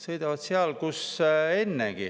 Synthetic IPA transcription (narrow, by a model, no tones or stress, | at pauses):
sɤ̞jd̪̥ɑvɑt̪seɑlkuse̞nːeɡ̥i